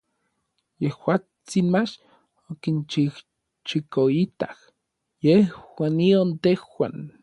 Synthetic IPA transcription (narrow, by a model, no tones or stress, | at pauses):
jehwaː | t͡sinmat͡ʃ | okint͡ʃih | t͡ʃikoit̪ah | jehwanːiont̪ehwan